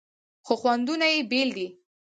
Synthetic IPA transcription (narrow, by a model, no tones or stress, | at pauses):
xoxwand̪unajebeld̪i